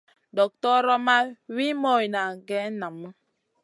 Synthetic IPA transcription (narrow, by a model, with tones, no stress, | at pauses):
dɔ˨k̚tɔ˦ɾɔ˦ma˦wi˦mɔ˦i˨na˨ɡɛ˦na˨mə˦